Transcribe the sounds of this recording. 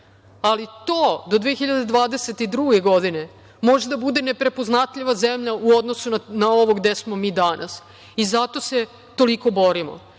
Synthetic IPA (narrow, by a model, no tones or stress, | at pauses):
alit̪oːd̪o̞d̪ʋeexiʎad̪ed̪ʋaːd̪eset̪id̪ɾuːɡe̞ɡo̞d̪ine | mo̞ʒed̪abud̪e̞nepɾe̞poznat̪ʎiʋazemʎauo̞d̪nosunanaoʋo̞ɡd̪esmo̞miːd̪anʔa̰s | izat̪o̞se̞ | t̪o̞liko̞bo̞ɾimo̰